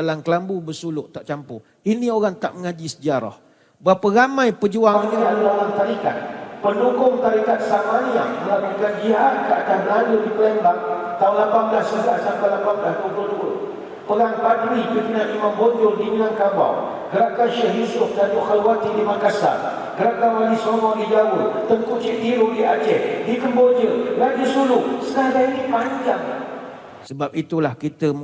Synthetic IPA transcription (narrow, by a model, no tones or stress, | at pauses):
alaŋkəlambubəsulʊʔt̪aʔt͡ʃampʊ̰h | inĩoɣaŋt̪a̰ʔməŋad͡ʒisəd͡ʒaɾɔ̰h | bapaɣamãjpəd͡ʒuaənɾialuaɾaŋt̪aɾika̰t̪̚pənukʊŋt̪aɾikat̪̚samaniaʔdəlaməkand͡ʒiɦaʔ̚kaʔakannaludipəlɛmbak̚t̪aulapamblasəɡasampalapanblastubənu | pəlaŋpadɾipəkənaʔimamboɲd͡ʒʊldimənaŋkaba̰w | ɡəɾakanʃɛɦisʊk̚danuxalwat̪idimakasa̰n | ɡəɾakanwalisomɔdid͡ʒawʊt̪t̪əŋkuʔt͡ʃiʔt̪iɾudiad͡ʒɛʔ̚dikəmbod͡ʒəland͡ʒəsulʊʔsənadainipaɲd͡ʒa̰ŋ | səbap̚it̪ulahkit̪ə